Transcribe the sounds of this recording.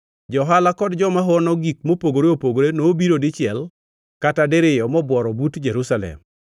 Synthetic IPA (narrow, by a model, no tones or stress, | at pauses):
d͡ʒɔɦalakɔdd͡ʒɔmaɦɔnɔɡik̚mopoɡoɾeopoɡoɾenoːbiɾodɪt͡ʃɪɛl | katadeɾɪjɔmɔbwɔɾɔbutd͡ʒeɾusalɛ̰m